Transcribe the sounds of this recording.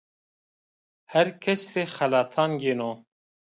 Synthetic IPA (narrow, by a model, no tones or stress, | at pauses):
hɛɾkʰɛsɾeːxælɑːt̪ʰɑːnɡeno